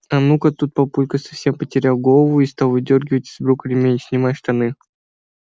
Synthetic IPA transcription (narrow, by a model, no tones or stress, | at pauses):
ɐnukət̪ut̪̚pɐpulʲkəsɐ̥fsʲempətʲɪɾʲalˠɡolˠəvʊist̪alˠvɨdʲorɡʲɪvətʲɪzbɾukəlʲɪmʲenʲt͡ɕʲnʲɪmajʂt̪ɐnɨ